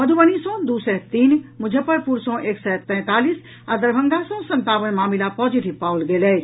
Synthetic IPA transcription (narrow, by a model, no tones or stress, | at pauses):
məd̪ʱubənisə̃d̪usɛt̪iːnmud͡ʒʱəpəɾpuɾsɔ̃ʔeksɛt̪ɛ̃t̪alis | ad̪əɾbʱəŋɡasə̃sə̃nt̪aʋənmaːmilapɔd͡ʒiʈibpaulɡelɛ